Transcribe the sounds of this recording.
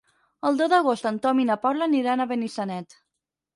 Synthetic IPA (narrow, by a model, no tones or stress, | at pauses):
əlˠd̪oðəɣost̪ənt̪ɔminapɔɾlaniɾanəβənisanɛt̪